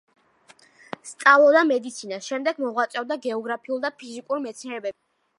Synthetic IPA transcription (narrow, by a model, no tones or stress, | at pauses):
st̪sʼavlˠɔd̪amɛd̪it̪sʰinasʃɛmd̪ɛɡmɔʁwat̪sʼɛvd̪aɡɛɔɡɾapʰiulˠd̪apʰizikʼuɾimɛt̪sʰniɛɾɛbɛb